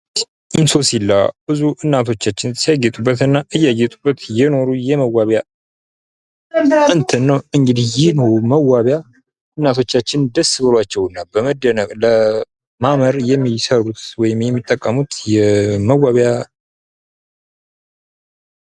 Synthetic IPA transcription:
ʔinso̞silːa̰bɨzuʔɨnːat̪ʰo̞t͡ʃːat͡ʃːɪnsijaɡːɛt̪ʼubːət̪ɨnːaʔɨjːaɡːɛt̪ʼubːət̪jɛno̞ɾujɛməwːaβja | ɨnt̪ʰɨnːəwɨŋɡɨd̪ijɪhno̞ɾuməwːaβja | ʔɨnːat̪ʰo̞t͡ʃːat͡ʃːɪnd̪əsɨβɨlwat͡ʃːɛwɨnːabəməd̪ənəkʼlə | maməɾjɛmːisəɾut̪wɔjɪmjɛmːit̪ʼːəkʼːəmut̪jɛməwːaβja

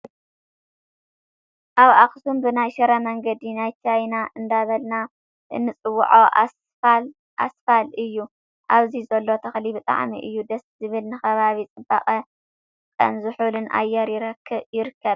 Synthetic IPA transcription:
ʔaβaxsumbɨnajʃɐɾɐmɐŋɡɐd̪inajt͡ʃʰajnaʔɨnd̪aβɐlna | ʔɨnːɨt͡sʼɨwːʊ̰ʕoʔa | l | ʔasfalɨjːu | ʔaβzizɐlːo̞t̪ʰɐxlibɨt̪ʼa̰ʕmḭʔɨjːud̪ɐszɨβɨlnɨxɐβaβit͡sʼɨba̰qʼɐ | kʼɐ̰nzuħulɨnʔa̰jːɐɾjɪɾɐkʰːɨβjɪɾɨkʰːɐβ

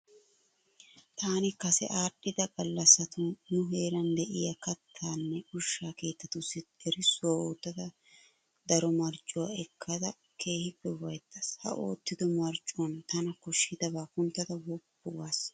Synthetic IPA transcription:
t̪aːnɪkɐsɛ̰ʔaːɗːɪd̪ɐɡɐlːɐsɐt̪ʊnʊɦe̞ːɾɐnd̪ɛʔɪjɐkɐt̪ʰːaːnːɛʊʃːaːke̞ːt̪ːɐt̪ʊsːɪɛɾɪsːʊwaoːt̪ːɐd̪ɐ | d̪ɐɾɔmɐɾt͡ʃʼʊwaːɛkʰːɐd̪ɐ | kʰe̞ːhɪbɛwɐjt̪ʰːɐshɐ̰ʔo̰ːt̪ːɪd̪ɔmɐɾt͡ʃʼʊwɐnt̪ɐnɐkɔʃɪd̪ɐbaːkʊnt̪ːɐd̪ɐwɔpːʊwaːs

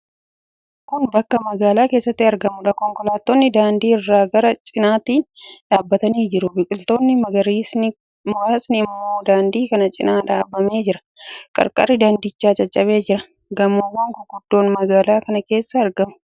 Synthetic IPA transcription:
kʊnbɐkːɐmɐɡaːlaːke̞ːsːɐt̪ːɪɐɾɡɐmʊᶑɐkɔŋkɔlaːt̪ːonːɪd̪aːnd̪iːɪrːaːɡɐɾɐt͡ʃʼɪnaːt̪iːnᶑaːbːɐt̪ɐniːd͡ʒɪɾʊbɪkʼɪlt̪o̞ːnːɪmɐɡɐɾiːsn | mʊaːsnɪɪmːoːd̪aːnd̪iːkɐnɐt͡ʃʼɪnaːᶑaːbːɐme̞ːd͡ʒɪɾɐ̥ | kʼɐ̰ɾkʼɐ̰rːɪd̪and̪ɪt͡ʃːaːt͡ʃʼɐt͡ʃʼːɐβe̞ːd͡ʒɪɾɐ | ɡɐmːowɐŋkʊɡʊd̪ːo̞ːnmɐɡaːlaːkɐnɐke̞ːsːɐɐɾɡɐmʊ̥

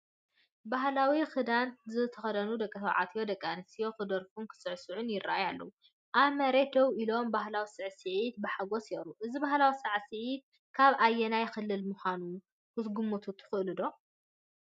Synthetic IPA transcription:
baɦlawixɨd̪ant̪zɨt̪ʰɐxɐd̪ɐnud̪ɐkʼːɐt̪ʰɐwʕa̰t̪ʰjo̞d̪ɐkʼːanɐsijo̞xɨd̪ɐɾfunkʰɨ̥sɨʕsɨʕʊnjɪɾa̰ʔajalːɐ̰wu | ʔaβmɐɾed̪ɐwʔilo̞mbahlawisɨʕsɨʕit̪̚bɨħaɡosjɛʔɾuʔɨzibahlawisɨʕsɨʕit̪̚ | kʰaβajːɛnajxɨlːɨlmuxʷanu | kɨsɡumut̪ʰut̪ʰɨ̥xɨʔlɨd̪o̞

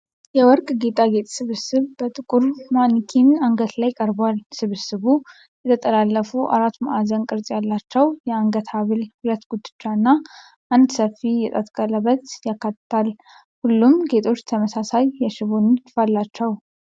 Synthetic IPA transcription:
jɛwɔɾkʼɡe̞t̪ʼaɡe̞t̪ʼsɨβɨsɨβbət̪ʼɨkʼuɾmanikʰinaŋɡət̪lajkʼəɾbwalsɨβɨsɨβu | jɛt̪ʰət̪ʼəlalːəfuʔa̰ɾat̪ːmʔazənkʼɨɾt̪ʼjalːat͡ʃːɛwjɛaŋɡət̪ʰaβɨlhɨɾət̪ɡ̥ud̪ːɨt͡ʃːanːa | ʔand̪səfijɛt̪ʼət̪ʼkʼələβət̪jakːat̪ːt̪ʰal | hulːumɡe̞t̪ʰʼo̞t͡ʃːt̪ʰəməsasajːɛʃɪβont̪ɨfalːat͡ʃːɛw

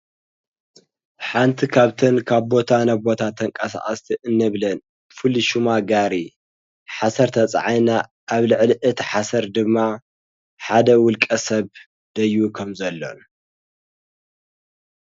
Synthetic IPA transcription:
ħant̪ʰikʰaβt̪ʰɐnkʰaβbo̞t̪ʰanaβbo̞t̪ʰat̪ʰːɐŋkʼɐsa̰ʔʼɐst̪ʰiʔɨnːɐβlɐn | fɨliʃumaɡaɾi | ħasɐɾt̪ʰɐt͡sʼʕajna | ʔaβlɨʕliʔɨt̪ʰiħasɐɾd̪ɨmːa | ħad̪ɐwʊlkʼɐsɐβ | d̪ɐjukʰɐmzɐlːo̰n

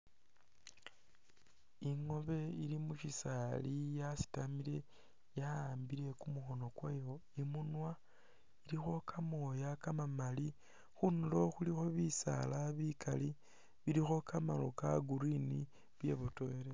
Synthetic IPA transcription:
iŋo̞βe̞ilimuʃisalijasi̥tamile̞ | jaaːmbiɾe̞kumuxo̞no̞kwejo̞imunwa | iɾixo̞kʰamojakamamali | xunulo̞xulixo̞βisa̰laβikali | βilixo̞kamalokaɡuɾini | βje̞̰βotoeɾe

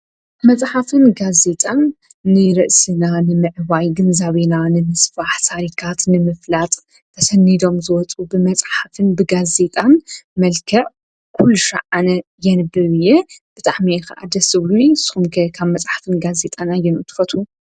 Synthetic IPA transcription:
mɐt͡sʼħafɨnɡaze̞t̪ʼanː | ɨɾɨʔsɨnanɨmɨʕβajɡɨnzaβenanɨmɨsfaħt̪ʰaɾikʰat̪nɨmɨflat̪ʼʰː | ɐsɐnːid̪o̞mzɨwɔt͡sʼubɨmɐt͡sʼħafɨnbɨɡaze̞t̪ʼanmɐlkʰɐʕ | kʰulːuʃɐ̰ʕanɐjɛnɨbɨβɨjːɛb̥ɨt̪ʼaʕmikɐʔa̰d̪ɐsɨβluɨsɨ̥xumkʰɐkʰaβmɐt͡sʼħḁfɨnɡaze̞t̪ʼanajɛnut̪ʰɨ̥fɐt̪ʰu

